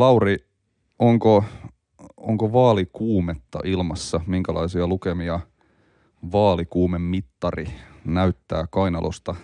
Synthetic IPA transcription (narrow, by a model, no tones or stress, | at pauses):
lɑuɾi | oŋko | oŋkoʋɑːlikuːmet̪ːɑ̰ʔilmɑsːɑmiŋkælɑ̰isiɑlukemiɑ | ʋɑːlikuːmemːit̪ːɑrinæyt̪ːæ̰ːkɑinɑ̰lʔo̰st̪ɑ